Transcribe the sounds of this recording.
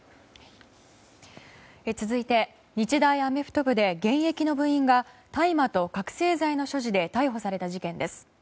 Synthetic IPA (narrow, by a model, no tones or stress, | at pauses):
et͡sɨzɨit̪e̞ | ɲ̟it͡ɕid̪aiame̞ɸɯ̟̥t̪o̞bɯ̟d̪e̞ɡẽ̞ɰ̃je̞kʲino̞bɯ̟̃ɰ̃ĩŋɡat̪aimat̪o̞kakɯ̟̥se̞ːzaino̞ɕo̞ʑid̪e̞t̪aiɦo̞saɾe̞t̪aʑikẽ̞nd̪e̞sɨ̥